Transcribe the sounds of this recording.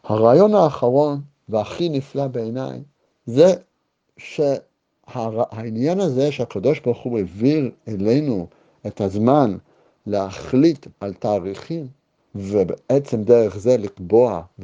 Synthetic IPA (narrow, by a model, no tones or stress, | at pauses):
haʁaːjo̞nhaːχaʁo̞n | veaχiniflabeena̰j | ze | ʃe | hahainjanazeʃeakado̞ʃbaʁχuevilelejnu | ethazman | lehaχlitaltaːʁiχim | vebeʔet͡semdeʁeχze̞likbo̞av